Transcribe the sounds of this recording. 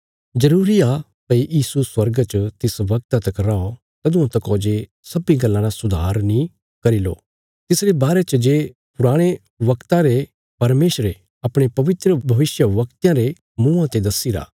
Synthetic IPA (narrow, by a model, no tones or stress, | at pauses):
d͡ʒɐɾuːɾia | pɐijiːsuswɐɾɡt͡ʃət̪ɪsʋɐk̚t̪at̪ɐkɾao | t̪ɐd̪ʊ̃ãt̪ɐkoːd͡ʒe | sɐbiɡɐlːãɾasʊd̪ʱaːɾnĩ | kɐɾilo̰ː | t̪ɪsɾebaːɾet͡ʃd͡ʒeːpʊɾaːɽ̃e | ʋɐkt̪ãɾe | pɐɾmeːʃɾe | ɐpɽ̃epɐʋɪt̪ɾəbʱɐʋɪsjəʋɐkt̪jãɾe | mũːãt̪ed̪ɐsiɾa̰ː